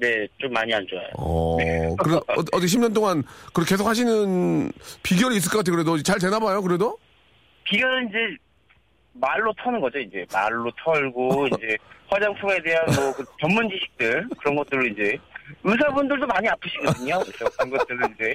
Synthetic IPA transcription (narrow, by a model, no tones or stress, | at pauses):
ne̞t͡ɕomːaɲiand͡ʑoja̰jo̰ʌ̰ekɯɾetʌt͈ɯkʰeɕ̬ʰimɲʌnt̬͈oŋankɯɾʌke̞s̬ʰokhʰaɕʰinɯnpiɡjʌɾiːs̬͈ɯɭk͈ʌk͈atʰekɯɾe̞dot͡ɕaɭte̞nabajokɯɾe̞do | piɡjʌɾɯind͡ʑe̞ | maɭːotʰʌnɯnɡʌd͡ʑoind͡ʑe̞ma̰ɭːotʰʌɭɡoind͡ʑe̞ɸwad͡ʑaŋtʰoŋe̞de̞ɦanʌkɯkjʌnmund͡ʑiɕʰi̥k̚t͈ɯɭkɯɾʌnɡʌt͈̚ɯɾoind͡ʑe̞ɯsʰabundɯɭtomaɲiapʰɯɕʰiɡʌdɯɲoʌsʰokɯɾʌnɡʌt͈ɯɾoind͡ʑe̞